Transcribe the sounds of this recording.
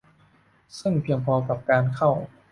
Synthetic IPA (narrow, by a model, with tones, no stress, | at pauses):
sɯ˥˩ŋpʰi˧əŋpʰɔː˧ka˨˩p̚kaː˧nkʰa˥˩w